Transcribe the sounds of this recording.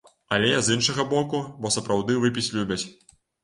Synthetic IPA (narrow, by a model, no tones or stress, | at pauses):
ɐlʲɛzinʂɐɣɐbɔkubɔsɐpɾawd̪ɨvɨpʲit͡sʲlʲubʲɐt͡sʲ